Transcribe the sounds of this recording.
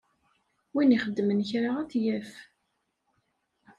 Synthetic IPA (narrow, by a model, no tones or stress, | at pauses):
winiχəd̪ːmənçɾaʁæθjæf